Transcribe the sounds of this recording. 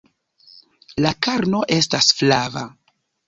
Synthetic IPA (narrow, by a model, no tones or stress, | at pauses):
lakaɾno̞ʔe̞stasflava̰